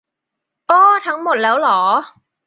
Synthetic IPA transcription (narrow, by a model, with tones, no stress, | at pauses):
ʔɔː˧˩t̪ʰa˦˥ŋmo˨˩t̪̚lɛː˦˥wlɔː˩˦